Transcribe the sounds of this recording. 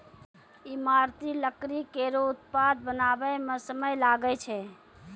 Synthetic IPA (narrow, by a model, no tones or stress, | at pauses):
imaɾt̪iləkɾikeɾout̪̚pad̪̚bənabəmẽsəməjlaɡət͡ʃʰɛ